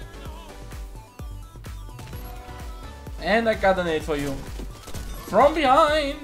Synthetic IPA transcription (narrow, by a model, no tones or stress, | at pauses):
ɛ̃nakadənetfɔju | fɹʌ̃mbihãɪ̃n